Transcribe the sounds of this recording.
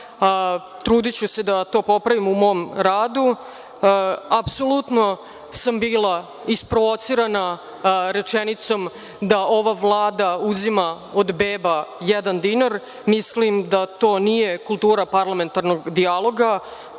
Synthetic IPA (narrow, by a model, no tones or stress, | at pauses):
t̪ɾuːd̪it͡ɕused̪at̪o̞ːpo̞pɾaʋimumo̞ːmɾaːd̪u | apsolut̪no̞ | sambiːlˠa | ispɾoʋo̞t̪siɾana | ɾet͡ʂenit̪so̞m | d̪ao̞ʋaʋlˠaːd̪auzima | od̪beːbajɛd̪and̪inaɾ | mislimd̪at̪o̞ːnijekulˠt̪uːɾapaɾlˠame̞nt̪aɾno̞ɡd̪ialˠo̞ɡa